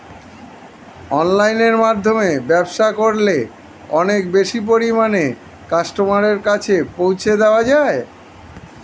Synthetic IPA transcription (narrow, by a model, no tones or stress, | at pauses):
ɔnlajneɾmad̪ʱːomebɛbʃakoɾle | ɔnek̚beʃip̬oɾimane | kaʃʈomaɾeɾkat͡ɕʰepowt͡ɕʰed̪eoad͡ʑae